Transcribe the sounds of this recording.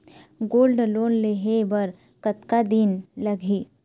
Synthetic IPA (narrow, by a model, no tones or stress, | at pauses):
ɡoːlɖloːnleɦebɐɾ | kɐt̪kad̪inlɐɡʱi